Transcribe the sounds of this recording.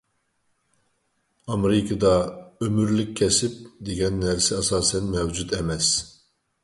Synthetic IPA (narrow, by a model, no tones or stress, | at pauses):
ɑmɾɪkʰɨd̪ɑømyɾlykʲkʰʲːɛsɪp̚d̪eɡʲɛnːæɾsɪɑsɑːsɛnmɛwd͡ʒut̪ɛmɛs